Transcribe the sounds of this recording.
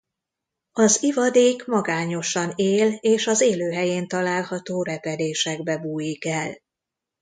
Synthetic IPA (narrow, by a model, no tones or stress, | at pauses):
ɒzivɒd̪eːkmɒɡaːɲo̞ʃɒneːleːʃɒzeːløːɦɛjeːnt̪ɒlaːlhɒt̪oːɾɛpɛd̪eːʃɛɡbɛbuːjikɛl